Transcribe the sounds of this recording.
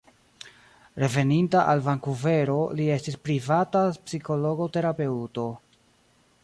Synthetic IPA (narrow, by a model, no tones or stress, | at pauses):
ɾe̞ve̞nintaʔalvaŋkuve̞ɾo̞lie̞stispɾivatapsiko̞lo̞ɡo̞te̞ɾape̞uto̞